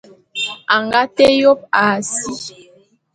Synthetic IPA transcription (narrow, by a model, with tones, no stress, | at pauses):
a˨ŋɡa˦tɛ˦jo˦p̚a˨si˦